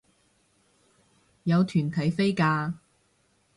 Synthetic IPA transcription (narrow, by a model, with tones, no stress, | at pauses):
jɐ˨˧wt̪ʰyː˨˩nt̪ʰɐ˨˥jfe˥jkaː˧